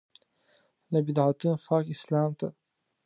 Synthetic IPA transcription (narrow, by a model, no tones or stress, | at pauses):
lɐbid̪ʕat̪ʰɨnfaːkislaːmt̪ʰɐ